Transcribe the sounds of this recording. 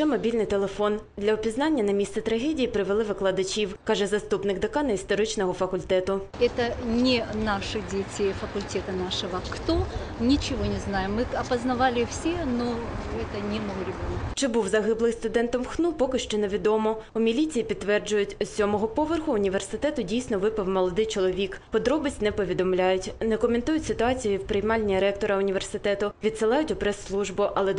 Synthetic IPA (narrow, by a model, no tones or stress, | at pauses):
t͡ʃɛmɔbʲilʲnɪjt̪e̞lˠefɔnd̪lʲɐɔpʲiznɑnʲːɐnɐmʲist̪sɛt̪ɾɐɦɛdʲijipɾɪʋelˠɪʋɪklˠɐd̪ɐt͡ʃʲiwkɑʒɛzɐst̪upnɪɡd̪ɐkɑnɐist̪ɔɾɪt͡ʃnɔɦɔfɐkʊlʲt̪ɛt̪ʊ | ɛt̪ənʲɪnaʂɨdʲetʲefɐkʊlʲtʲɛt̪ɐnaʂɨʋɐkt̪o | nʲɪt͡ʃɪʋonʲɪznajɪmːɨɐpɐznɐʋalʲɪfsʲenoɛt̪ɐnʲimnɐlˠɔɾʲɪbʲɔnkt͡ʃɪbuwzɐɦɪblˠɪjst̪ʊd̪ɛnt̪ɔmxnupɔkɪʃt͡ʃɛneʋʲid̪ɔmɔʊmʲilʲit͡sʲijipʲid̪ːʋɛrd͡ʒʊjʊtʲʊsʲɔmɔɦɔpɔʋerxʊːnʲiʋʲersɪt̪ɛt̪ʊdʲijsʲnɔʋɪpɐwmɔlˠɔd̪ɪjt͡ʃɔlˠɔʋʲikpɔd̪ɾɔbɪsʲtʲnɛpɔʋʲid̪ɔmlʲajʊtʲnɛkɔment̪ujʊtʲsɪt̪ʊɑt͡sʲijʊiwpɾɪjmɑlʲnʲiɾɛk̚t̪ɔɾɐʊnʲiʋʲersɪt̪ɛt̪ʊʋʲid̪sɪlˠɑjʊtʲʊpɾɛsːlˠuʒbʊʔɐlˠɛ